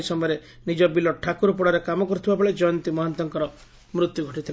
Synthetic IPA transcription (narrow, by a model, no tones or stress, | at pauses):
isɔmɔjɾe | nid͡ʒɔbilɔʈʰakuɾɔpɔɽɔɾekamɔkɔɾut̪ʰibabɔɭed͡ʒɔjɔnt̪imɔɦɔnt̪ɔŋkɔɾɔ | mɾut̪juɡʱɔʈit̪ʰil